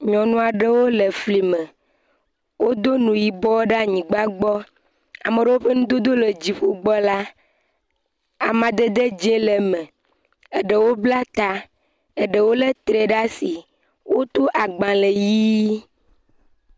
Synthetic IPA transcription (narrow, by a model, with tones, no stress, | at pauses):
ɲɔ̃˨nũ˦a˨ɖə˦wo˦le˨fli˨mẽ˨ | wo˦d̪o˦nũ˨ji˨bɔ˦wɖa˦ɲĩ˨ɡ͡ba˦ɡ͡bɔ˦ | a̰˨me˨ɖə˦wo˦ɸe˦nũ˦d̪o˦d̪o˦le˨d͡ʑi˨ɸo˦ɡ͡bɔ˦la˦ | a˨mã˨d̪e˦d̪e˦d͡ʒe˦le˨mẽ˨ | e˨ɖə˨wo˦bla˦t̪a˨ | e˨ɖə˨wo˦le˦t̪ɾe˨ɖa˦si˨ | wo˦t̪o˦ʔa˨ɡ͡bã˨le˨ji˦